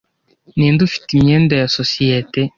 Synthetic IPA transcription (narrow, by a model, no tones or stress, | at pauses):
niːndufi̥timɲendejasosiete